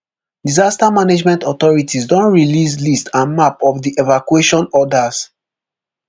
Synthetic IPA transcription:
dizastamaned͡ʒmɛ̃ntɔt̪ɔɹitʰisdɔ̃nɹilis̬listʰãnmapɔfdiʔevakuweʃɔ̃nɔdas

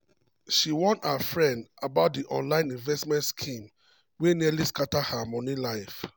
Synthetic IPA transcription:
ʃiwɔ̃nafɹɛ̃ndabaʊt̚diʔɔ̰̃nlãɪ̃nĩnvɛstmɛ̃ntskʰĩm | wenialiskatahamɔ̃nilaɪf

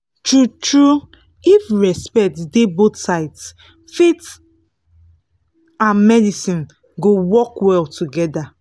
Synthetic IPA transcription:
tɹutɹu | ifɹɛspɛk̚tdebotsaɪts | fet | ãnmɛdisĩn | ɡowɔkwɛltʰuɡɛda

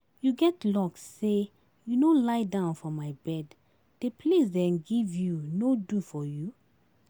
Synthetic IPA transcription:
juɡɛtlɔksːe | junolaɪdãʊ̃nfɔ̃mːajbɛd | d̥epʰlesdɛ̃nɡivjunodufɔju

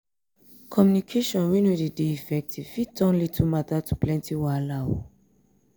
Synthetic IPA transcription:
kʰɔmjunikʰeʃɔ̃nwĩnwidedeifɛk̚tiv̥fitɔ̃nlitʰumatatu̥plɛ̃ntʰiwalawo̰

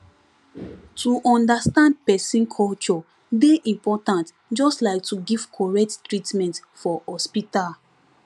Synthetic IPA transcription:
tʰuʔɔ̃ndastãnd̚pɛsĩnkʰɔlt͡ʃɔ | deʔĩmpɔtãnt | d͡ʒɔstlaɪk̚tuɡiv̥kʰɔɹɛk̚tːɹitmɛ̃ntfɔhɔspital

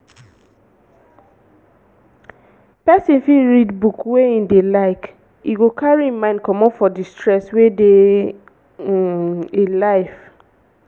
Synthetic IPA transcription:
pɛsĩnfiɹidbukweĩndelaɪk | ḭɡokʰaɹiĩmãɪ̃nd̚kɔmɔ̃nfɔdistɹɛswede | ilaɪf

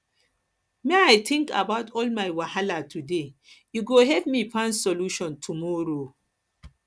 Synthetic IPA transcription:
mẽajtʰĩŋka̰baʊtʰɔlmajwahalatʰudejuɡoɦɛpmipãnsoluʃɔ̃ntʰumɔɾo

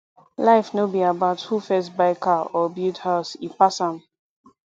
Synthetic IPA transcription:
laɪfnobiabaʊthufɛsbaɪkaɔbuthaʊsipasãm

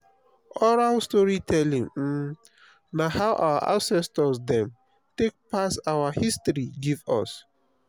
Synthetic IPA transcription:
ɔɹalstɔɹitʰɛlĩŋ̩ | nahawʔa̰wa̰ʔã̰nsɛstɔsdɛ̃m | tek̚pasawahistɹiɡivɔ̰s

